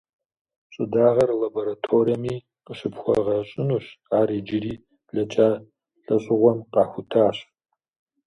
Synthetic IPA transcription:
ɕʼɪdaːʁɐrlɐboɾatʰoːriɐmiː | qəɕɪpxʷɔ̰ʁɐɕʼɪnuːɕaːɾeːd͡ʒɪɾiː | bɮɐt͡ʃʼaː | ɬɐɕʼɪʁʷɔmqɑːxʷʊtʰaːɕ

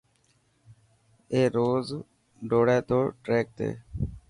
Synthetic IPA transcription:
eːɾoːz | ɖoːɽeːt̪oːʈɾeːk̚t̪ḛː

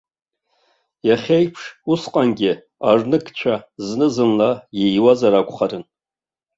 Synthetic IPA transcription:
jaχʲejpʰʂusqʼanɡʲɪ | arnɨkʰʼt͡ʃʷʰaznɨzɨnlajejwazaɾakʷʼχaɾɨn

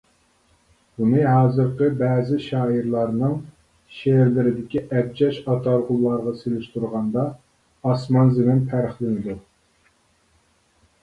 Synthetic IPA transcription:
bunɨɦɑːzɨɾqʰəbɛːzɪʃɑːiɾlˠɑɾnɨŋ | ʃeɾlɪɾɪd̪ɪkʲiʔɛb̚d͡ʒɛʃɑt̪ʰɑɾʁʊlˠːɑɾʁɑselɪʃt̪uɾʁɑnd̪ɑː | smɑnzɪmɪnpʰæɾχlɪnɪd̪u

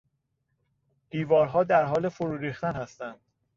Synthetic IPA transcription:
d̪̥iːvɒːɾɦɒːd̪æɾɦɒːlefoɾuːɾiːχt̪ænhæst̪ænd̪̥

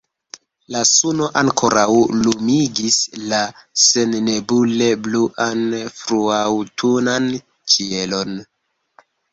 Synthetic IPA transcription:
lasuno̞ʔaŋkʰo̞ɾʔawlumiɡislase̞nne̞bule̞bluʔanfɾuawtʰunan | t͡ʃie̞lo̞n

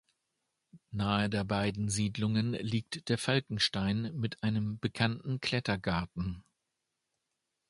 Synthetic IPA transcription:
naːədeːɐbaɪdn̩ziːdlʊŋənliːk̚td̥eːɐfalkŋ̩ʃtaɪnmɪtʔaɪnəmbəkʰantn̩kʰl̥ɛtɐɡaɐtn̩

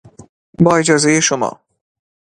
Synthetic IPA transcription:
bɒːed͡ʒɒːzejeʃomɒ̰ː

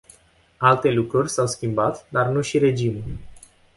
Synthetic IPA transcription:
alt̪e̞lukɾurʲsawskʲimbat̪d̪arnuʃiɾe̞d͡ʒimulʲ

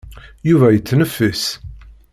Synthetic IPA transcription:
juvæjət͡sːnəfːəs

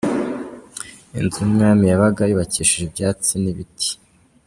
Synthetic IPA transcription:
ḭnzumŋaːmijaβaɡajuβaciːʃiʒebjaːt͡siniβitʰi̥

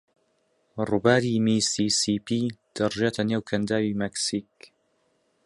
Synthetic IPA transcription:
rubaːɾimisisipʰiːd̪̥ɐrʒeːt̪ʰɐneːwkʰɐnd̪aːwimɛksik̚

